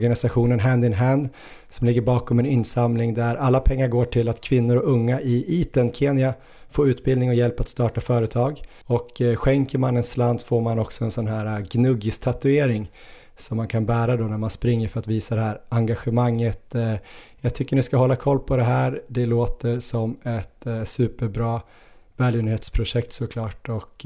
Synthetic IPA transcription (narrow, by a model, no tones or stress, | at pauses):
ɡanɪsaɧuːnənɦænd̪ɪnɦɛnd̪ | sɔmlɪɡːəɾbɑːkɔmɛnɪnːsamlɪŋd̪æɾalːapʰɛŋːaɾɡoːʈʰɪlːat̪kʰvɪnːʊɾɔɵŋːaʔɪʔiːt̪ənkʰeːnɪa | foːʉ̟ːt̪bɪld̪nɪŋɔjɛlpat̪st̪ɑːʈafœːɾət̪ʰɑːɡ | ɔkɧɛŋkəɾmanːɛnsland̪foːɾmanɔksɔɛnsɔnɦæːɾaɡnɵɡɪst̪ʰat̪ɵeːɾɪŋ | sɔmːankʰanbæːɾad̪onæɾmanspɾɪŋːəɾfœɾat̪viːsad̪ɛhæːɾaŋɡaɧɛmaŋːət̪ | jɑːɡt̪ʰʏkːəɳɪskaɦɔlːakʰɔlːpʰɔd̪ɛɦæːɾd̪ɛloːt̪əɾsɔmɛt̪sʉ̟ːpəɾbɾɑː | vɛːljʏːnheːt̪spʰɾʊʂɛk̚t̪sɔkʰlɑːʈɔk